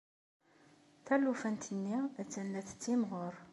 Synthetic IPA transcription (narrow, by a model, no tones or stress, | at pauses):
θælufænt̪ənːiæt͡sːænːæθə̥t͡sːimʁoɾ